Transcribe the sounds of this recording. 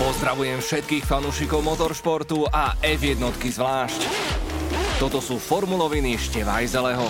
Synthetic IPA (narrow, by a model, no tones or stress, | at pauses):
pɔzd̪ɾaʋujɛmfʃɛt̪̚kiːxfanuːʃikɔʊmɔt̪ɔɾʃpɔɾt̪uaʔɛvjɛd̪̚nɔt̪kizʋlaːʃc | t̪ɔt̪ɔsuːfɔɾmulɔʋiniʃcɛʋa̰jzɛlɛɦɔ